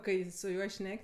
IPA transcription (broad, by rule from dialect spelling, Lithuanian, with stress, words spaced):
ˈkɐɪ sʊ ˈjuɔ ˈʃʲnʲɛkʲ